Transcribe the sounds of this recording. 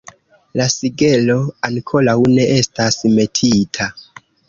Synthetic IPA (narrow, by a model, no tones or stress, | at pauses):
lasiɡe̞lo̞aŋkʰo̞lawne̞ʔe̞stasme̞tʰitʰa